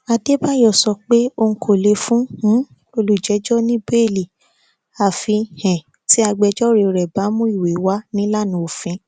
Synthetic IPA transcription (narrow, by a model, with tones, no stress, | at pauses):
a˧de˦ba˦jɔ˦˨sɔ˧k͡pe˦o˧ŋ̩˧˦kʰo˨le˧˦fũ˦ũ˦ | o˧lu˨d͡ʒɛ˨˦d͡ʒɔ˦nĩ˦be˦˨li˨ | a˨fi˧hɛ̃˨ | ti˦a˧ɡ͡bɛ˧d͡ʒɔ˦ɾe˧˨˧ɾɛ˨ba˨˦mũ˦i˦˨we˨˦wa˦nĩ˦la˦˨nũ˨˦o˨fĩ˨˧˦